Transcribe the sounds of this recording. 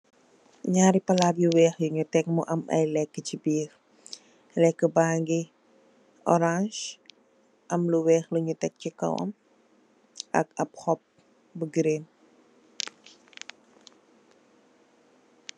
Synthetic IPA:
ɲaːɾipɐlaːbjuwɛːxjuɲutɛk̚muʔɐmɐ̰jlɛkːət͡ʃibiːx | lɛkːəbaːŋɡi | ɔ̰ɾãʃ | ʔɐmluwɛːxluɲutɛk̚cikɐ̰wɐ̰m | ʔɐ̰kɐp̚hɔp̚ | bəɡɾem

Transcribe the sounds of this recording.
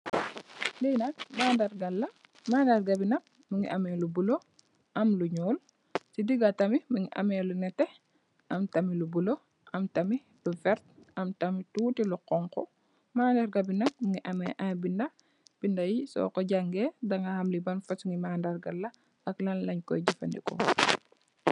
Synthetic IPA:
dinɐk̚maːndɐɾɡɐlːɐ | maːndaɾɡɐbinɐp̚ | muŋḭʔɐmɛlubulo | ʔɐmluɲɔːl | sidiɡatɐmimuŋiʔɐ̰mɛːlunɛtɛ | ʔɐmtɐmilubulo | ʔɐmtɐmi | lufɛɾt̚ɐmtɐmituːtiluqɔŋkɔ̰ | maːndaɾɡɐbinɐp̚muŋiʔɐmɛʔabindɐ | b̥indɐjisɔ̰kɔɟaŋɡɛːdɐŋɡɐhɐmlibɐnfɐsuŋimaːndɐrɡɐlːɐ | ɐklɐnlɐɲkɔ̰jɟifɐ̰ndḭkɔ̰

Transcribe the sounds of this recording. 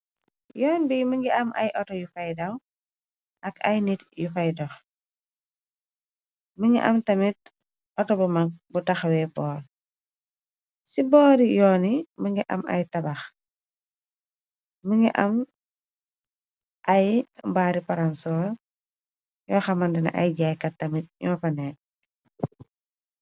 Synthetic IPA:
jɔːnbiməŋɡiʔɐmʔɐ̰jʔɔtɔjufɐjdɐw | ʔɐkɐjnitjufɐjdɔx | məŋɡḭʔɐmtɐmit̚ | ɔtɔbumɐk̚butɐxwɛbɔːɾ | sibɔːɾijɔːniməŋɡiʔɐ̰mɐ̰jtɐbɐx | məŋiʔɐm | ʔɐjbaːɾipaɾansɔːɾ | jɔːxɐmɐndinɐ̰ʔɐjɟajkɐtɐmit̚ɲɔːpɐnɛ

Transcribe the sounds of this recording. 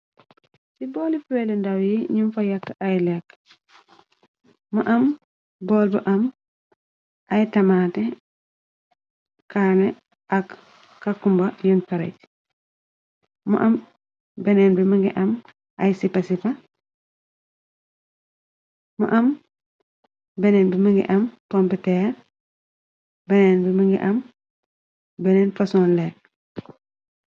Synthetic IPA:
sibɔːlifwɛlɛndawjiɲumfɐjɐkːʔajlɛkː | mɐʔɐm | bɔːlbɐ̰ʔɐm | ʔajtɐmaːtɛ | kaːnɛ | ʔɐkː | akːumbɐjɔnkɐɾɐ̰jt | mṵʔɐm | bɛnɛːnbimiŋɡḭʔɐm | ʔajsipɐsipa | mṵʔam | bɛnɛnbimiŋɡḭʔɐmpompitɛːɾ | bɛnɛːnbimiŋɡḭʔɐm | bɛnɛnfasɔnlɛk̚

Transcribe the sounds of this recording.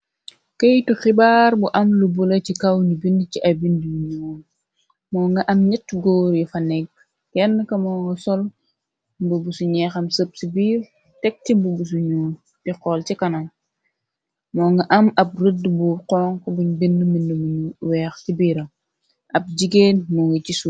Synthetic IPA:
kɐjtuxibaːɾbuʔɐmlubulet͡ʃikɐwɲubindt͡ʃiʔɐbindimuɲɔːn | mɔːŋɡɐʔɐmɲitːɡoːɾjifɐnɛk̚ | kɛnːəkɐmɔːŋɡɐsɔl | bubusuɲɛxɐmsəp̚sibiːr | tɛk̚tibubus̬uɲuːn | tiqɔlt͡ʃikɐnɐm | mɔːŋɡɐʔɐmɐb̚rədbuqɔːŋkɔbuɲbindəmindumuɲuwɛːxsibiːɾɐm | ʔɐb̚d͡ʒiɡeːnmɔŋɡɐt͡ʃisu

